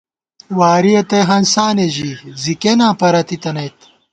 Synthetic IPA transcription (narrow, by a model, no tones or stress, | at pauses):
waːɾiɐt̪ɐjɦɐnsaːneʑizikenãːpɐɾɐt̪it̪ɐnɐjt̪